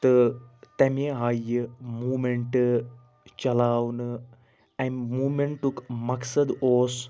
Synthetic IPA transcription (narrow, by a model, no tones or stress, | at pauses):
t̪ət̪ɛmeɦajɨmuːmeɳʈ | t͡ʃɐlaːwnɨ | ɛ̃nmuːmẽɳʈʈːukmɐksɐd̪oːs